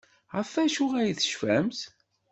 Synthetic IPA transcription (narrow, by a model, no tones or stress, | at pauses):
ʁæfæʃʊʁæjiθə̥ʃfæmθ